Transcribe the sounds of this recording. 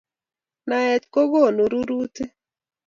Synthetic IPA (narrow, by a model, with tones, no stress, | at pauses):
na˨ɛ˨t̪ko˦ɡo˦˨nu˨ɾu˦ɾu˦t̪e˦